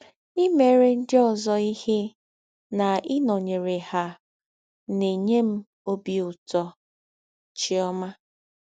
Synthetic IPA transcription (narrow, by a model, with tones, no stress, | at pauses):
i˦me˨˦ɾe˦˨n̩˦dɪ˦ɔ˦˨zɔ˦i˦he˦ | na˨ɪ˦nɔ˨ɲe˨ɾe˨ha˨ | ne˨ɲe˦m̩˦ | o˦bi˨ʊ˨tɔ˨ | t͡ʃɪ˦ɔ˦ma˦